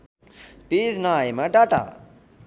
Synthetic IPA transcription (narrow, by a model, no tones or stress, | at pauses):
pid͡znʌajmaɖaʈa̰